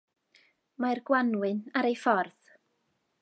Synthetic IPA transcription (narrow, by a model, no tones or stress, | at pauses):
majrɡwanwɨnaɾejfɔrð̥